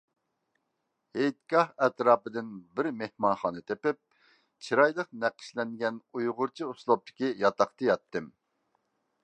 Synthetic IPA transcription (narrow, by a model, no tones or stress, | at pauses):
hejt̪̚ɡɑhɛt̪ɾɑːpɨd̪ɪnbɪɾmehmɑnχɑːnɨt̪ʰepɪp̚ | t͡ʃʰiɾɑjlˠəqnæqə̥ʃlɛŋɡʲɛnujʁʊɾt͡ʃʰiuslˠop̚t̪ʰɪ̥kʲijɑt̪ɑχt̪ɨjɑt̪ːɨm